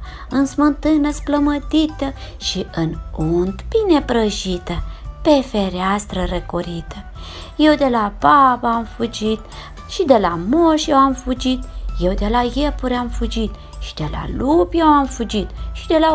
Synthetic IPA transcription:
ɨnsmɨnt̪ɨnəspləmət̪it̪əʃiɨnunt̪binepɾəʃit̪əpefeɾeast̪ɾəɾekoɾit̪ə | jewd̪elababaːmfud͡ʒit̪ | ʃid̪elamoʃjewamfud͡ʒit̪jewd̪elajepuɾʲamfud͡ʒit̪ | ʃi̥d̪ela̰lupjewamfud͡ʒit̪ʃid̪ela

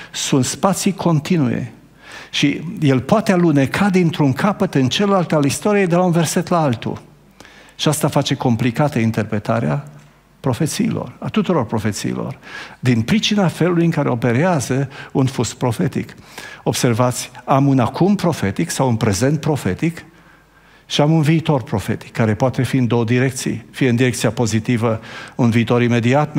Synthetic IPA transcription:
sunt̪spat̪sikʰo̞nt̪inṵjḛ | ʃije̞lpoat̪ealunekʰad̪int̪ɾuŋkʰapət̪ɨnt͡ʃelelalt̪alist̪o̞ɾijejd̪e̞launve̞rse̞t̪laalt̪ṵ | ʃiast̪afat͡ʃe̞ko̞mplikat̪əint̪e̞rpɾe̞t̪aɾea | pɾo̞fe̞t̪sḭːlo̞̰rat̪ut̪uɾo̞rpɾo̞fe̞t̪sḭːlo̞̰rd̪inpɾit͡ʃinafe̞lulujɨŋkaɾeo̞pe̞ɾeazəunfuspɾo̞fe̞t̪ḭko̞b̥se̞rvat̪sʲamunakumpɾo̞fe̞t̪iksawunpɾe̞ze̞nt̪̚pɾo̞fe̞t̪ik | ʃiamunviːt̪o̞rpɾo̞fe̞t̪i̥kːaɾe̞poat̪e̞fiɨnd̪o̞wəd̪iɾe̞k̚t̪sḭjfijeɨnd̪iɾe̞k̚t̪sijapo̞zit̪ivəunviːt̪o̞ɾime̞d̪iat̪

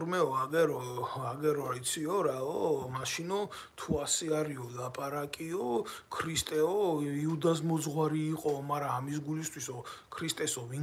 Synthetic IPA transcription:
ɾmɛɔaɡɛɾɔaɡɛɾɔit̪sʰiɔɾaɔmaʃinɔ | t̪ʰuasɛaɾiɔlapʼaɾakʼiɔkʰɾist̪ʼɛɔiud̪as̬mɔzʁwaɾiːqʼɔmaɾaːmis̬ɡulist̪ʰwisɔkʰɾist̪ʼɛsɔvi

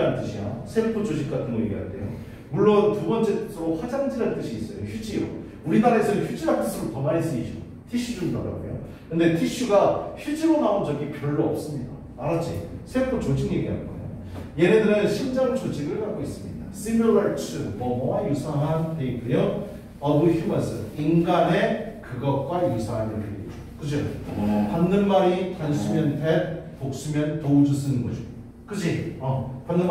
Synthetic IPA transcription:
ant͈ɯɕʰijasʰeɭpʰot͡ɕoɕʰik͈̚atʰɯnɡʌjeɡiɦa̰ɭt͈e̞̰jo̰ | muɭːontubʌnt͡ɕ͈e̞sʰʌɾoɸwad͡ʑaŋd͡ʑiɾɦant͈ɯɕʰiːs͈ʌjoçjud͡ʑio̰ | uɾinaɾesʰʌçʰjud͡ʑiɾɦant͈ɯsʰiɾotʌmaɾis͈ɯiɕʰio | tʰiɕ͈ʰud͡ʑundʌɾa̰ɡṵjo̰ | kɯnde̞tʰiɕ͈uɡaçud͡ʑiɾonaond͡ʑʌɡipjʌɭːoʌp̚s͈ɯmɲida̰ | aɾat͡ɕ͈ʰḭsʰeɭpʰot͡ɕod͡ʑiŋje̞ɡiɦa̰nɡʌ̰ḛjo̰ | jeɾedɯɾɯnɕʰind͡ʑaŋt͡ɕod͡ʑiɡɯɭhaɡois͈ɯmɲida̰simjoɾaɭt͡ɕʰɯmʌmʌŋajusʰaɦanteikk͈ujo | ʌbuçumʌsɯinɡane̞kɯɡʌt̚k͈wajusʰaɦanentḛid͡ʑokɯd͡ʑipanːɯnmaɾikans͈ʰumjʌntepok̚s͈umjʌntoud͡ʑus̬͈ʰɯnɯnɡʌd͡ʑo | kɯd͡ʑiʌpanːɯn

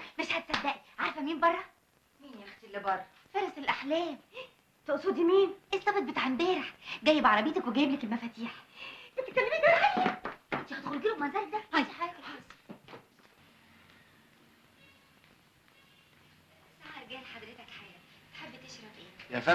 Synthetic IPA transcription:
meʃhæd̪sæd̪ːæʔiʕaɾˤfæmiːnbɑrˤːɑ | miːnjext̪ilːebɑrˤːɑ | feɾˤɑselʔaħlæːm | t̪oʔsˤod̪imiːnʔesˤt̪ːˤɑbet̪̚bet̪ʕembeːɾeħɡæjːebʕɑɾˤɑbeːt̪ækweɡæjeblækelmæfæːt̪iːħbet̪ekːælːemiːkbælħejæent̪ihæt̪ɣolɡelomænzælæk̚d̪ææiħajæːkelħɑˤ | esaʕɑɾˤɡæːlħad̪ɾet̪ækħajæːt̪ħebːt̪eʃɾˤɑfʔeːjæfæ

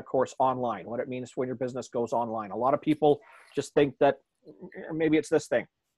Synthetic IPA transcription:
v̥kʰɔɹsɑ̃nlãɪ̃nwʌɾɨt̚mĩnz̥wə̃njə˞bɪznəsɡ̥oʊzɑ̃nlãɪ̃nəlɑɾʌv̥pʰipl̩ˠ | d̥ʒ̥ʌst̪̚θɪ̃ŋk̚ðɨt̚ | meɪbiɨtsðɪsθɪ̃ŋ

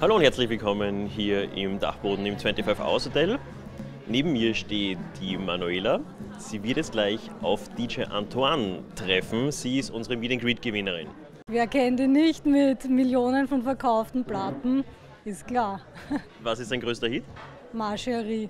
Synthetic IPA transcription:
haloːʊnthɛɐt͡slɪçvɪlkʰɔmənɦiːɐʔɪmda̰χb̥oːdn̩ɪmt͡svɛ̃ntifœfa̰ʊshotʰɛl | neːbm̩iːɐʃteːtd̥iːmanueːlaz̥iːvɪɐtɛstɡ̥laɪçʔa̰ʊfd̥iːd͡ʒeʔã̰ntʰuantʁ̥ɛfn̩z̥iːɪstʔʊnzəʁəmiːdənɡʁiːtɡ̥əvɪnəʁɪ̰n | veːɐkʰɛnndiːnnɪçtmɪtmɪljoːnənfɔnfɛɐkʰaʊftn̩platn̩ | ɪst̚kl̥aːɐ | vasɪstd̥aɪnɡʁøːstɐhɪt | maʃɐʁiː

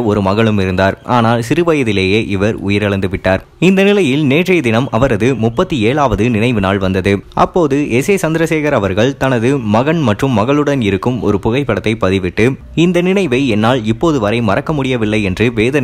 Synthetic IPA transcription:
ɔɾɯmɐɣɐɭɯmɪɾɯnd̪aːɾʔaːnaːlsɪɾɯʋɐjɐðɪleːjeːʔɪʋɐɾʊ̰jɪɾɐɭɐnd̪ɯʋɪʈːaːɾ | ɪnd̪ɐnɪlɐjɪlneːʈrɐjd̪ɪnɐmɐʋɐɾɐðɯmʊpːɐt̪ːɯeːɭaːʋɐðɯnɪnɐɪʋɯnaːlʋɐnd̪ɐðɯʔɐ̰pːoːðɯʔɛseːsɐnd̪ɪɾɐseːɣɐɾɐʋɐɾɣɐɭt̪ɐnɐðɯmɐɣɐɳmɐʈrɯmːɐɣɐɭɯɽɐnɪɾɯkːɯmɔ̰ɾɯpʊɣɐɪpːɐɽɐt̪ːɐɪpːɐðɪʋɪʈːɯ | ɪnd̪ɐnɪnɐɪʋɐɪɛnːaːlɪpːoːðɯʋɐɾɐɪmɐrɐkːɐmʊɽɪjɐʋɪlːɐɪɛndrɯʋeːðɐn

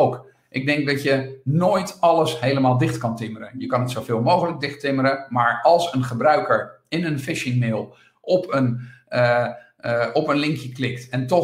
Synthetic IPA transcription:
owk | ʔɪɡ̚dɛŋk̚dɑtjənoːjtɑləsɦejləmaːlˠdɪχtkɑntɪməɾənjəkɑnətsowvɪːlˠmowχələɡ̚dɪχtɪməɾəmaːɹɑlˠsənχəbrœɥkəɹɪnənfɪʃɪŋmɪːlˠ | ʔɔpən | ɔpənlɪŋkjəklɪktɛntɔ

